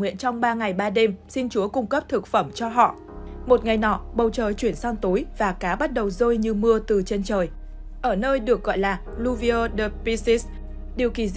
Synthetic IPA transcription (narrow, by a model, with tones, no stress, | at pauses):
ŋḭ˧˨ənt͡ɕɔ˧wŋ͡mɓaː˧ŋa˨˩jɓaː˧ɗe˧msi˧nt͡ɕu˨˦əkʊ˧ŋ͡mkə˦˥p̚t̪ʰɨ˨˩k̚fə˧˩mt͡ɕɔ˧ɦɔ̰˧˨ʔ | mo˨˩t̚ŋa˨˩jnɔ˧˩ɓə˨˩wt͡ɕəː˨˩jt͡ɕwi˧˩ənsaː˧ŋt̪o˨˦jvaː˨˩kaː˨˦ɓa˦˥t̚ɗə˨˩wzoː˧jɲɨ˧mɨ˧ət̪ɨ˨˩t͡ɕe˧nt͡ɕəː˨˩j | ʔəː˧˩nəː˧jɗɨ˨˩ək̚ɣɔ̰˧˨jlaː˨˩ | lu˧vi˧əː˧ɗə˧˩pi˧si˦˥s | ɗi˨˩əwki˧˩